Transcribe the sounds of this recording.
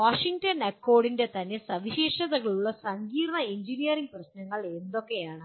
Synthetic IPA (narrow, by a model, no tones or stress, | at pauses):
ʋaːʂiŋtɐnɐkːo̞ːɖinde̞t̪ɐnːe̞sɐʋiɕeːʂɐðɐɣɐɭuɭːɐsɐŋɡiːɾɐɳɐeɲd͡ʑinijɐriŋɡ̚prɐɕnɐŋːɐɭe̞nd̪o̞kːe̞jaːɳɨ